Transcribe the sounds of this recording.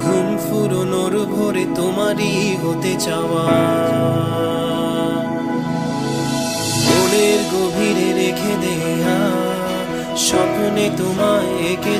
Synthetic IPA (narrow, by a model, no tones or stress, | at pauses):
ɡʱumfuɾonoɾbʱoɾet̪omaɾi | ɦot̪et͡ɕaa | boleɾɡobʱiɾeɾekʰed̪e | ja | ʃɔpnet̪oma | eke